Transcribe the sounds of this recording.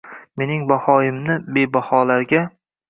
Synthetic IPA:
me̞nɪŋbahɒjɪmnɪbe̞bahɒlaɾɡʲa

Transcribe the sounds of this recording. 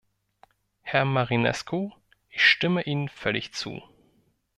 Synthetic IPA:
hɛɐmaʁinɛ̰skʰo | ʔɪçʃtɪməʔiːnənfœlɪçt͡sṵː

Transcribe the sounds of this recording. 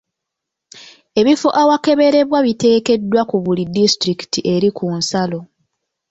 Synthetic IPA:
e̞βifoʔawake̞βe̞ɾe̞βwaβite̞ːke̞dːwakuβulidistɾiki̥tiʔe̞ɾikʰunsalo̞

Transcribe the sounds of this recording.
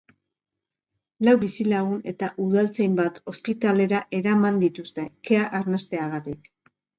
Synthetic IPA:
lawβisilaɣune̞t̪aʔuðalt͡se̞jmbat̪o̞spit̪ale̞ɾaʔe̞ɾamand̪it̪ust̪e̞ke̞aʔaɾnast̪e̞aɣ̞at̪ik

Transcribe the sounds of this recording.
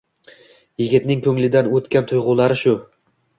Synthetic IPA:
jɪɡʲɪt̪nɪŋkʰɵŋlɪd̪anɵt̪kʲant̪ʰʊjʁʊlˠaɾɪʃʊ

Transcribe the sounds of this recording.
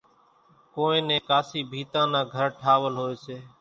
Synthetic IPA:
koːẽːnẽːkaːsiːbʱiːt̪ãːnãːɡʱəɾʈʰaːʋəlɦoːeːseː

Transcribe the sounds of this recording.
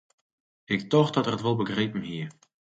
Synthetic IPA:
ɪktɔxdɔtərətʋolˠbəɡrejpəm̩ɦiə

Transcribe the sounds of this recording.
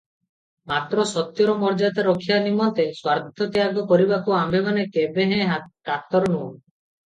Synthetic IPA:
mat̪ɾɔsɔt̪jɔɾɔmɔɾd͡ʒat̪aɾɔkʰijanimɔnt̪eswaɾd̪ʱɔt̪iaɡɔkɔɾibakuambʱemanekebeɦɛ̃ʈat̪ɔɾɔnu

